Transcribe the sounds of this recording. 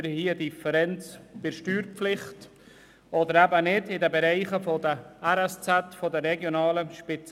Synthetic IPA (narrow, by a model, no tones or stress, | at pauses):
ɾhiːədifəɾɛnt͡sb̥ɪɾʃtyːɾpflɪχt | ɔd̪əɾæbənɪdɪdəbɛɾɛɪχəfodəɛɾɛst͡sɛtfodəɾɛɡjonɑːləʃpɪt͡s